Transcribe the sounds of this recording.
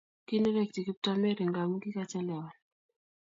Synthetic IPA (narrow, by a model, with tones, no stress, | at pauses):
ki˦n˦ɾɛ˦˨kti˨ki˦p̚ta˦me˦ɾi˨ŋɡa˨m˦ɡi˦ka˦t͡ʃɛ˦lɛ˨wa˨